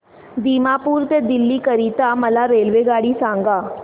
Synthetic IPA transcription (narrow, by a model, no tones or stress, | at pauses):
d̪iːmaːpuːɾt̪ed̪ɪlːiːkəɾiːt̪aːməlaɾeːlʋeːɡaːɽiːsãːŋɡaː